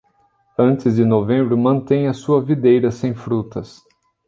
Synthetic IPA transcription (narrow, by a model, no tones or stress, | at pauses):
ɐ̃nt͡ʃɪzd͡ʒɪnovẽmbɾʊmɐ̃nt̪ẽj̃ɐsuɐvid̪ejɾɐsẽj̃fɾut̪ɐs